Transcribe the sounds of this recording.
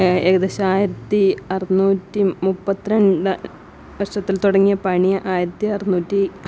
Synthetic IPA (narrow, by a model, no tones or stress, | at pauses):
eɡɐd̪eɕɐaːjiɾɐt̪ːiɐrinuːtːimupːɐt̪ːiɾeɳɖɨ | ʋɐʂɐt̪ːilt̪uɽɐŋːijɐpɐɳijɐʔaːjiɾɐt̪ːiɐrinuːtːi